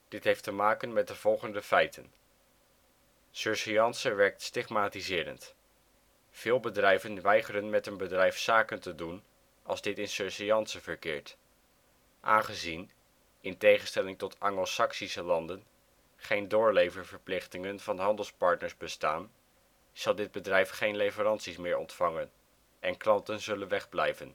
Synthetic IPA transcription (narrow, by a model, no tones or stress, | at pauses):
d̥ɪtɦejftəmaːkənmɛt̚dəv̥ɔlˠχəndəfɛjtʰə̰n | søɹsijɑnsəʋɛɹk̚tstɪχmaːtizɪːɾə̰nt | v̥ɪːlˠbədrɛjvənʋɛjχəɾənmɛtənbədrɛjfsaːkəntədun | ɑlˠzdɪtɪnsøɹsijɑnsəvəɹkɪ̰ːɹt | ʔa̰ːnχəzin | ɪntejχənstɛlɪŋtɔtʰɑŋosɑksisəlɑndən | χejndʊːɹlejvəɹv̥əɹplɪχtɪŋənvɑnɦɑndəlˠspɑɹtnəɹzbəstaːn | z̥ɑlˠdɪd̚bədrɛjfχejnlejvəɾɑntsismɪːɹɔ̰ntfɑŋən | ʔɛnklɑntənzɵlənʋɛχblɛjvən